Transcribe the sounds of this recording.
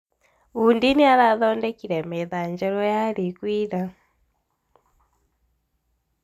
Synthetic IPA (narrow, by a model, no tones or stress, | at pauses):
undiniaɾaðɔndɛkiɾɛmɛðaɲd͡ʒɛɾɔjaɾikwiɾa